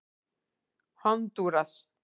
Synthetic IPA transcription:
hant̪uɾas

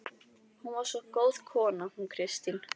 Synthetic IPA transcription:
hunvaɾ̥sɔkoːwð̥kʰɔːnahunkʰɾɪst̪in

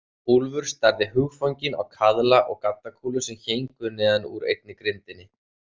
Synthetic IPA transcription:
hulvʏɾ̥st̪aɾðɪɦʏɣfawɲcɪna̰wkʰaðlaʔɔɣkat̪ːakʰuːlʏsɛmçejŋkʏnɛːðanuɾḛjt̪̚nɪkɾɪnt̪ɪnːɪ

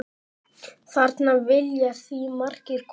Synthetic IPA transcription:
θaɾt̪navɪljaθvimar̥cɪɾ̥kʰ

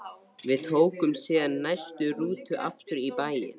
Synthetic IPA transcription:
vɪðt̪ʰoːwkʏmsiːðanːajst̪ʏɾuːt̪ʏʔaft̪ʏɾipaːjɪ̰n

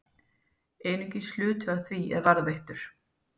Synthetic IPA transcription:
eːjnʏɲcɪslʏːt̪ʏaθviɛ̰ðvaɾðvejht̪ʏɾ̥

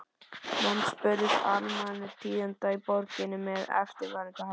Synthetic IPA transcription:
manspʏɾðɪsaɾmanːɪɾ̥t̪ʰiːʏnt̪aipɔɾcɪnʏmɛðɛ̰ft̪ɪɾvaːɾɪŋkah

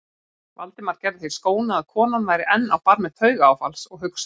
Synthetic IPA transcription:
va̰lt̪ɪmaɾ̥cɛɾðɪθi̥skoːwnaaðkʰɔːnanvajɾɪʔɛnːa̰wpaɾmɪθʰœːɥɣaːwfalsɔɣɦʏks

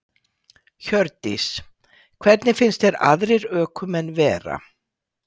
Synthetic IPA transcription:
çœɾt̪is | kʰvɛt̪nɪfɪnst̪ɛɾa̰ðɾɪɾœːkʰʏmɛnvɛːɾa̰

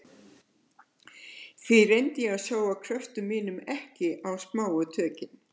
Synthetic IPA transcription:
θvɪrejnt̪jɛaðsoːwakʰɾœft̪ʏmːiːnʏmɛhcɪʔawspmaːwʏt̪ʰœːcɪn

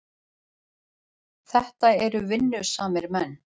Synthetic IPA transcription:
θɛht̪aɛɾʏvɪnːʏsaːmɪɾmɛnː

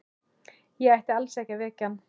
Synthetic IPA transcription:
jɛɣajht̪ɪalsɛhcavɛːcan

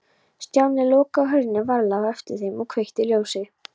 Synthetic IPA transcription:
st̪jaːwnɪlɔːkaɦœɾnɪvaɾlawɛft̪ɪɾ̥θejmɔɣkʰvejht̪ɪljoːwsɪ

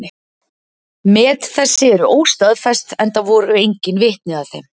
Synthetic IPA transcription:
mɛːt̪θɛsːɪɛɾʏʔoːwst̪aðfɛst̪ɛnt̪aðvɔːɾʏejɲcɪnvɪht̪nɪðaðθejm

